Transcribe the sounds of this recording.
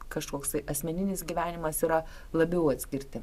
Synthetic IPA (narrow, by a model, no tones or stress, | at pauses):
kɐʃkoːkst̪ɐɪʔɐsʲmʲɛnʲɪnʲɪsɡʲiʋʲæːnʲɪmɐsiɾɐ | lˠɐbʲɛʊɐt̪ʲsʲkʲɪɾʲt̪ʲɪ